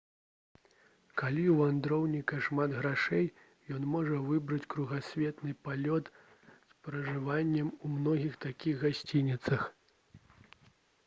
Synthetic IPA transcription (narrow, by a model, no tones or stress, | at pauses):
kalʲiwand̪ɾɔwnʲikɐʂmad̪ɣɾaʂɛj | jɔn̪mɔʐɐvɨbɾɐt͡sʲkɾuɣasʲvʲɛt̪nɨpalʲɔt̪ | spɾɐʐɨvanʲːɛmumnɔɣʲixt̪akʲiɣɣasʲt͡sʲinʲit̪sɐx